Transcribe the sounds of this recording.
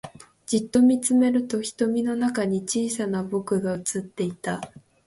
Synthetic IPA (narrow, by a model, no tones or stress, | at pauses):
d͡ʑit̪ːo̞mʲit͡sɨme̞ɾɯ̟t̪o̞çi̥t̪o̞mʲino̞nakaɲ̟it͡ɕiːsanabo̞kɯ̟ɡaɯ̟t͡sɨt̪ːe̞it̪a